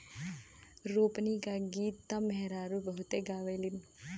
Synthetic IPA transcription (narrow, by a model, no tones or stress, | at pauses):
ɾoːpnikaɡiːt̪ːamɛɦɾaːɾubəɦut̪eɡaːʋelim